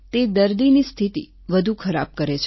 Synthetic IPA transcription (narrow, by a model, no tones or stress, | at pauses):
t̪ed̪əɾd̪inist̪ʰit̪ḭ | ʋəd̪ʱukʰəɾa̰b̚kəɾet͡ʃʰ